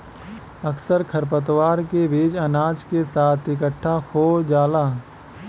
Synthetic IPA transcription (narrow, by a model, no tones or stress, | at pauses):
ɐksəɾkʰəɾp̬ət̪̬waːɾkeʋeːd͡ʒɐnaːd͡ʒkesaːt̪ʰɪk̬əʈʰːahoːd͡ʒaːlaː